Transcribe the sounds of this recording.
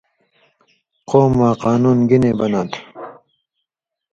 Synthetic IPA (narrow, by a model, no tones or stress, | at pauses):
qoːmːaːqɑːnuːnɡineːbɐnat̪ʰ